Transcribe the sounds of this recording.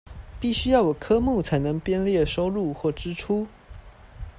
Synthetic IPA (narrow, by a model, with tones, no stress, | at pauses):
pi˥˩ɕy˥jɑ˥˩ʊwɔ˨˩kʰɤ˥mu˥˩t͡sʰa˧˥ɪnɤ˧˥ŋpjɛ˥nljɛ˥˩ʂo˥ʊɻu˥˧xwɔ˥˩ʈ͡ʂɻ̩˥ʈ͡ʂʰu˥